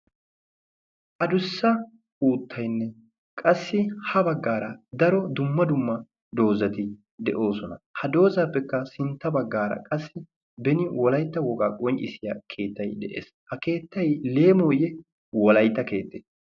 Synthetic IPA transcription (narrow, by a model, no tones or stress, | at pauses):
ʔɐd̪ʊsːɐ | uːt̪ːɐjnːɛ | kʼɐsːɪhɐbɐɡːaːɾɐd̪ɐɾɔd̪ʊmːɐd̪ʊmːɐ | d̪o̞ːzɐt̪ɪ | d̪ɛʔo̞ːsɔnɐhɐd̪o̞ːzaːpːɛkːɐsɪnt̪ːɐbɐɡːaːɾɐ̰kʼɐsːɪ | bɛnɪwɔlɐjt̪ːɐwɔkʼaːkʼɔnt͡ʃʼɪ̰sɪjakʰe̞ːt̪ːɐjd̪ɛʔḛːshɐke̞ːt̪ːɐjleːmoːjɛ | wɔlɐjt̪ːɐke̞ːt̪ːeːs